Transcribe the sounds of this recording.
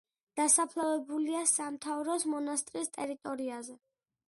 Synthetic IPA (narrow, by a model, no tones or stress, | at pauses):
d̪̥asapʰlˠavɛbuliasamt̪ʰavɾɔsmɔnast̪ʼɾist̪ʼɛɾit̪ʼɔɾiazɛ